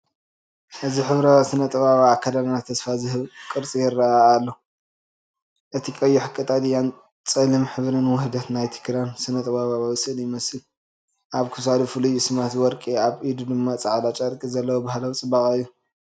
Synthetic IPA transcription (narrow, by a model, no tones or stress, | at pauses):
ʔɨziħɨβɾaβsɨnɐt̪ʼɐβaβaːkʰːɐd̪annat̪ʰːɐsfazɨɦɨβkʼɨɾt͡sʼijɪɾːɐaːlːo | ʔɨt̪ʰikʼɐjːuħɨkʼːɨt̪ʼad̪ɨjan | t͡sʼɨlɨmħɨβɨɾɨnwɔhd̪at̪najt̪ʰi̥kʰɾansɨnɐt̪ʼɨβaβaβawɨsɨʔljɪmɐsɨl | ʔaβkʰus̬ad̪ufɨlujsɨmat̪wɔɾkʼiaβʔid̪ud̪ɨmːat͡sʼaʕd̪at͡ʃʼɐɾkʼizɐlːɐwobahlɐwt͡sʼɨbːakʼɨjːu